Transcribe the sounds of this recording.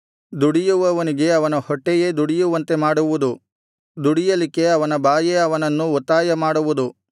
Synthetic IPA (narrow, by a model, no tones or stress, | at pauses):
d̪uɽijuʋɐʋɐniɡe̞ɐʋɐnɐhɔʈːejed̪uɽijuʋɐnt̪e̞maːɽuʋud̪u | d̪uɽijɐlike̞ɐʋɐnɐbaːjeɐʋɐnɐnːuɔt̪ːaːjɐmaːɽuʋud̪u